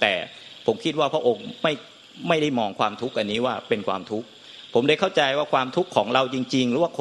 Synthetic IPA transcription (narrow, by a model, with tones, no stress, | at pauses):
t̪ɛː˨˩ | pʰo˩˦mkʰi˦˥t̪̚waː˥˩pʰɾa˥ʔo˧ŋma˥˩j | ma˥˩jda˥˩jmɔː˧ŋkʰwaː˧mt̪ʰu˦˥k̚ʔa˧nːiː˦˥waː˥˩pe˧nkʰwaː˧mt̪ʰu˦˥k̚ | pʰo˩˦mda˥˩kʰa˥˩wt͡ɕa˧jwaː˥˩kʰwaː˧mt̪ʰu˦˥kʰːɔː˩˦ŋɾa˧wt͡ɕi˧ŋt͡ɕi˧ŋɾɯː˨˦waː˥˩kʰ